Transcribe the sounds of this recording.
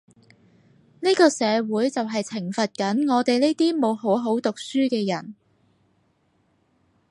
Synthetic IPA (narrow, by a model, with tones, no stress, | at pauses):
ni˥kɔː˧sɛː˨˧wuː˨˥jt͡sɐ˨wɦɐ˨jt͡sʰɪ˨˩ŋfɐ˨t̚kɐ˨˥nŋɔː˨˧t̪e˨jne˥jt̪iː˥mo˨˧wɦo˨˥wɦo˨˥wt̪ʊ˨k̚syː˥kɛː˧jɐ˨˩n